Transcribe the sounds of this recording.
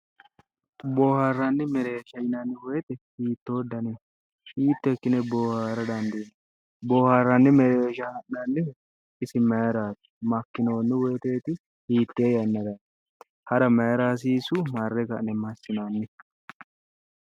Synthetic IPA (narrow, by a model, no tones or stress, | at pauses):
bo̞ːharːɐnːɪmɛɾe̞ːʃɐjɪnɐnːɪwɔjɛt̪ɛhiːt̪ːo̞ːd̪ːɐnɪ | hiːt̪ːɛkːɪnɛboːhaːɾɐd̪ɐnd̪ɪn | boːharːɐnːɪmɛɾeːʃɐhɐʔnɐnːɪ | ɪsɪmɐjɐɾaːt̪ɪ̥mɐkːɪno̞ːnːɪwɛːt̪e̞ːt̪ɪ | hiːt̪ːeːjɐnːɐd̪ɐn | hɐɾɐmɐjɐɾaːs̬iːsʊmɐrːɛkɐʔnɛmɐsːɪnanːɪ